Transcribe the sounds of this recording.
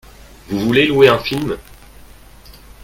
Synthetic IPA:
vuvulelweɛ̃film

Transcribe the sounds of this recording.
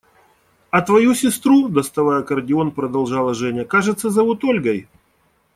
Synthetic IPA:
ɐt̪vɐjusʲɪst̪ɾud̪əst̪ɐvajəkərdʲɪo̞npɾəd̪ɐlˠʐɑlˠɐʐɛnʲɪjəkaʐɨt̪səzɐvut̪olʲɡɐj

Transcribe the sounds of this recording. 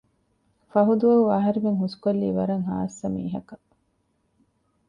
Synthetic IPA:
fɐɦud̪uʋɐuɐɦɐɾimeŋɦusu̥kolːiːʋɐɾɐŋɦa̰ːsːɐmḭːɦɐkɐ

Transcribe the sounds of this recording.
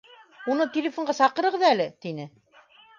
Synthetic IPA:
unɤt̪ʲelʲɪfoɴɢɑsɑqɤ̆ɾɤ̆ʁɤðælɘt̪inɘ

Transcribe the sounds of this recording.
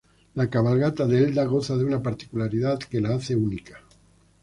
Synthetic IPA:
lakaβ̞alɣat̪aðeld̪aɣ̞oθaðeunapaɾt̪i̥kulaɾiðat̪kelaaθeunika

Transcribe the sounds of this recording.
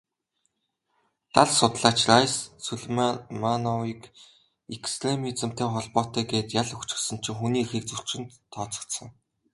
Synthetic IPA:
t̪aɮsʊt̪ɮaːt͡ɕrajssɵɮmamanɔwiːk | ekst̪remit͡sɘ̆m̥t̪eːχɔɮpɔːt̪æːɡeːt̪jaɮɵxt͡ɕɪ̆xsə̆n̥t͡ɕʰɪ̆ŋxuniːxeːk̚t͡sɵɬt͡ɕɪ̆nt̪ʰːɔːt͡sɞ̥̆kt̪sə̆ŋ

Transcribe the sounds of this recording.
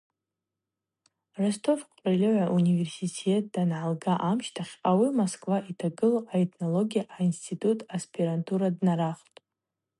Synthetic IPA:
restʰo̞fqʷʼrelʲɪʕʷaʔunive̞rsitʰet̚ʰd̥anʕalɡaʔamʃtʰaχʲawimoskʼvaʔitʰaɡɨloʔaetʰno̞lo̞ɡʲijaʔainstʰitʰʼutʰʼaspʰiɾantʰuɾadnaɾaχtʼ

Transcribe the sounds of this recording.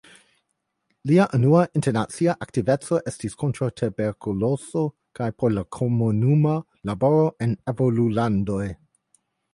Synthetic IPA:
liaʔanuaʔinteɾnat͡siaʔak̚tive̞t͡so̞ʔestiskʰontɾawtʰebeɾkuloso | kajpoɾlakʰomunuma | labo̞ɾo̞ʔenevolulando̞j

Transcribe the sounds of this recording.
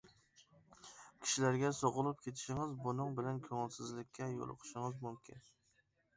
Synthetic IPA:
kʲʰɪ̥ʃɪlaɾɡʲasoʁɨlˠɪp̚kʲʰet̪ʰɪ̥ʃɪŋɪzbʊnɪŋbɪlankʰɵŋɪlˠsɪzlɪkʲʰːajo̰l̰ˠqʰɨ̥ʃɪŋɪzmʊmkʲʰɪ̰n

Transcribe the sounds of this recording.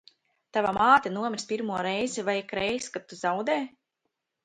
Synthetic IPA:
t̪avamaːt̪ʲanuɔmʲiɾsʲpʲiɾmuɔɾɛjzivajkɾɛjskat̪ːuzawd̪ɛː

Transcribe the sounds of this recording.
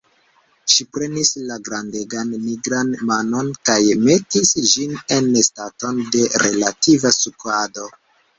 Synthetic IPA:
ʃipɾe̞nislaɡɾande̞ɡanmiɡɾanmano̞nkajme̞tisd͡ʒine̞nestato̞nde̞ɾe̞lativasukado̞

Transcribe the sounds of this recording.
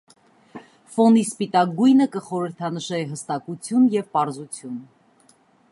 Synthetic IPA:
fɔnispit̪ɑk̚ɡujnəkəχɔɾəɾt̪ʰɑnəʃɛɦəst̪ɑkut͡sʰjunjɛvpɑɾzut͡sʰjun

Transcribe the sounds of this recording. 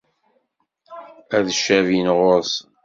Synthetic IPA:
æðʃːævinʁoɾs

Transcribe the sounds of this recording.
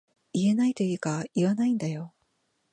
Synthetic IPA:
ie̞nait̪o̞iːkaiβanaĩnd̪ajo̞

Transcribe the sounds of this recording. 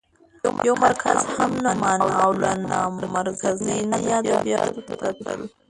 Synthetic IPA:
jawmaɾkʰa̰zhamnamɑnwawlanamamaɾkʰaznənajɑdabjɑ̰d̪t̪akɾə̰l

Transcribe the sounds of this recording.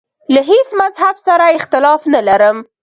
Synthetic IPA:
laɦesmazhabsaɾaɪxt̪ɪlɑfnalaɾəm

